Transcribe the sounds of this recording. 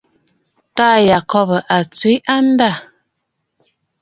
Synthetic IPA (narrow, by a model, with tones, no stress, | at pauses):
ta˦˨ja˨kɔ˦bə˨ʔa˨t͡swi˨˦ʔa˦n˦da˦˨